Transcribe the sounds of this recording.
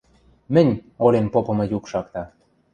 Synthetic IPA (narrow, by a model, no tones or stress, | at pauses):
mɘ̆nʲolʲenpopɤ̆mɤ̆jukʃɑkt̪ɑ